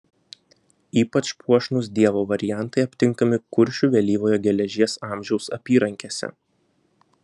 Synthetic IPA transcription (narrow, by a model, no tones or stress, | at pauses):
iːpɐt͡ʃpuɔʃnʊs̬d̪ʲiɛʋoːʋɐɾʲɪjæˑnt̪ɐɪɐpʲt̪ʲɪŋkɐmʲɪkʊɾʲʃʲuʋʲɛlʲiːʋoːjɛɡʲɛlʲɛʒʲiɛsɑːˑmʲʒʲɛʊsɐpʲiːɾɐŋʲkʲeːsʲɛ̰